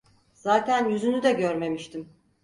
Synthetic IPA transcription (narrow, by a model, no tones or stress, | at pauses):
z̥aːt̪ʰænjyzynyd̪ɛɟøɾme̞miʃt̪ʰim